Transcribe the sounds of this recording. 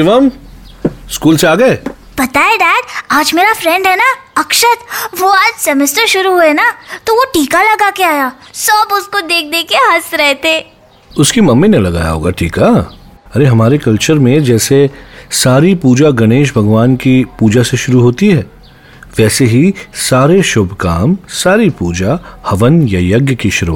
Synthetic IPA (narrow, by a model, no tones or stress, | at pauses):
ɪʋəm | skuːlseaːɡɐe | b̥ɐt̪aed̪ɛːʈaːd͡ʒmeːɾafɾɛ̃ɳɖɦɛnaɐkʃət̪ʋoaːd͡ʒsɐmɪst̪əɾʃʊɾuɦuenat̪oʋoʈiːkalɐɡakeaːjaːsɐbʊskod̪eːk̚ʰd̪ekeɦɐsɾɛɦt̪eː | ʊskimɐmːinelɐɡa̰ːja̰ɦo̰ːɡaʈʰḭːka | ɐɾeɦɐmaːɾekɐlt͡ʃəɾmẽd͡ʒɛːsesaːɾipuːd͡ʒaɡɐñeːʃ̬bʱɐɡʋaːnkipuːd͡ʒaseʃʊɾuɦoːt̪iɦɛː | ʋɛːseɦisaːɾeʃʊbʱkaːmsaːɾipuːd͡ʒahɐʋənjajɐɡjəkiʃʊɾṵa